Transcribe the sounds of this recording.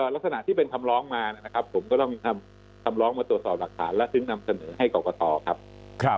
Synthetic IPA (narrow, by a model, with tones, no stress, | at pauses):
ʔəː˨˩la˦˥k̚sa˧na˨ʔt̪ʰiː˥˩pe˧nkʰa˧mɾɔː˦˥ŋmaː˧na˦˥˩na˦˥kʰa˦˥pʰːo˩˦mkɔː˥˩t̪ɔ˥˩ŋnʰa˧m | kʰa˧mɾɔː˦˥ŋmaː˧t̪ɾu˨˩ə˩t̪sɔː˨˩p̚la˨˩k̚t̪ʰaː˩˦nlɛ˦˥t̪ʰɯ˧˥˩ŋna˧msa˧nɤː˩˦ɦa˥˩jkɔː˨˩kɔ˧t̪ɔː˧kʰa˦˥p̚ | kʰ